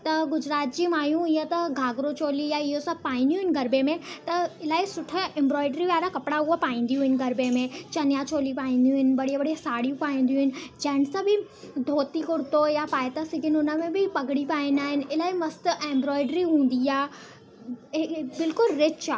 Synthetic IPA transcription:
t̪ɐɡʊd͡ʑɾaːt̪̚d͡ʑiːmaːjũɪɦət̪ɐɡʱaːɡɾot͡ɕoːlijaɪɦosɐb̚paːĩːnd̪jũɦɪnɡɐɾbemẽt̪ɐɪlaːisʊʈʰə̆ẽːmbɾɔːɪɖɾiʋaːɾakɐpɪɽaɦuapaːĩːn̆d̪ijũɦɪnɡɐɾbemẽt͡ɕɐnjat͡ɕoːlipaːĩːnd̪ijũɦɪnɪ̆bɐɽiabɐɽisaːɽijũpaːĩːnd̪ijũɦɪnɪ̆d͡ʑɐ̃ɦɪñɪsãbɪ | d̪ʱoːt̪ikʊɽt̪ojapaːjt̪asɪɡʱɪnʊnəmẽbɪpɐɡɪɽipaːɪ̃nd̪aːɦɪnɪ̆ɪlaːimɐst̪ʔẽːmbɾɔːɪɖɾiɦũːn̆d̪iaː | bɪlkʊlɾɪt͡ʃa

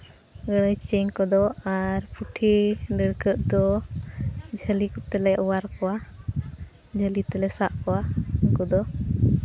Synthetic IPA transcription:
ɡəɽəjt͡ʃəɲkɔd̪ɔaɾpuʈʰiɖəɽkəʔd̪ɔ | d͡ʒʱəlikɔt̪ɛlɛʔɔwaɾkɔwa | d͡ʒʱəlit̪ɛlɛsaʔkɔwaŋkɔd̪ɔ

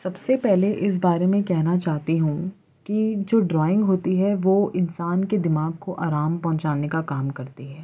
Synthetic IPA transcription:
sɐbsepɛɦleʔɪs̬baːɾemẽkɛɦnat͡ʃaːɦt̪iɦũ | kid͡ʒoːɖɾɔːɪ̃ŋɡɦoːt̪iɦɛʋoɪnsaːnked̪ɪmaːɡ̚koʔaːɾaːmpɐɦʊ̃t͡ʃaːnekakaːmkɐɾt̪iɦɛː

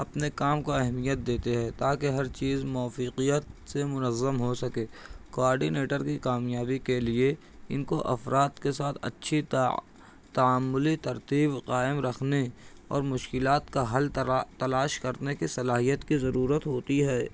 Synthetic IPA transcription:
ɐpnekaːmkoɛɦmijət̪̚d̪eːt̪eɦɛːt̪aːkeɦɐɾt͡ʃiːzmɔːfiːqijət̪semʊnəzːəmɦosɐkeːkoaːɾɖineːʈəɾkikaːmjaːbikelie | ɪnkoʔɐ̰fɾaːt̪kesaːt̪ʰɐ̰tːʃʰi | t̪ɐaːmːʊlit̪ɐɾt̪iːbqaːɪmɾɐkʰneɔ̰ːɾmʊʃkɪlaːt̪kaɦɐlt̪ɐlaːʃkɐɾnekisɐlaːɦijət̪kizɐɾuːɾət̪ɦoːt̪iɦɛː

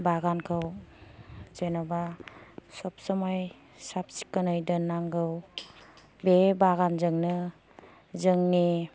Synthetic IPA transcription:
baɡankʰɯw | zenɔbasɔp̚sɔmaj | sap̚si̥kːɯnɯjdɯnːaŋɡɯw | bebaɡanzɯŋnɯ | zɯŋni

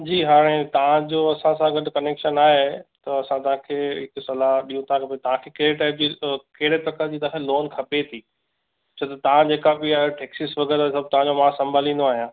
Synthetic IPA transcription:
d͡ʑiːɦaːɾ̃ẽt̪ɐʋ̤ãd͡ʑoɐsãsãɡɐɗkɐneːkʃənaːɦet̪ɐɐsãt̪ɐʋ̤ãkʰeːɦɪksɐlaɗĩːũt̪ãkʰɐpet̪ɐʋ̤ãkʰekɐɪɾeʈaːɪp̚d͡ʑikɐɦɪɽet̪ɐkəd͡ʑiːt̪ɐãkʰeloːnkʰɐpet̪ʰiː | t͡ɕʰot̪ɐt̪ɐʋ̤ãd͡ʑeːkabɪaːɦeʈeːksɪsʋɐɡɛɾasɐb̚ʱt̪ɐʋãd͡ʑomãːsɐ̃mbʱaːlĩːnd̪oaːɦijãː

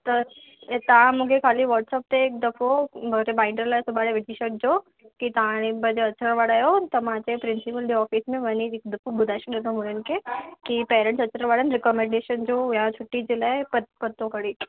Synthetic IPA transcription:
t̪ɐ | t̪ɐãmũkʰekʰaːliʋɔɾʈsəp̚t̪eːk̚d̪ɐfobɐɡɾebaɪɳɖəɾlasʊbaːɽeʋɪʈ̪ʰiʃək̚d͡ʑo | kit̪ãɽ̃ibɐd͡ʑeɐt͡ʃɾəɽʋaːɽaːjot̪ɐmãt͡ɕepɾɪnsipəlɖeɔːfismẽʋɐniɪk̚d̪ɐfobʊd̪ʱaːʃid̪et̪omũnənkekipeːɾə̃ɳʈsɐt͡ɕɾə̃ɾʋaːɽənɾekɔmẽɳɖeːʃənd͡ʑojãt͡ɕʰʊʈːid͡ʑelapɐt̪pɐt̪ːõkɐɽiː

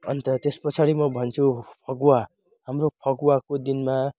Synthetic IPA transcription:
ʌ̰nt̪ʌt̪espʌt͡sʰaɾimʌbʱʌnt͡sʰupʰʌɡuwa | ɦamropʰʌɡwakod̪inma

